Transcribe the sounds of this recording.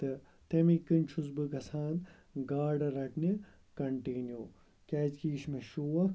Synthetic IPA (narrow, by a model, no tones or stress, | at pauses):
t̪ɨ | t̪emikɨnt͡ʃʰuz̬bɨkɐsaːn | ɡaːɖɐɾɐʈni | kɐɳʈiːnju | kʲaːt͡ʃkiːʃmeʃuːɐ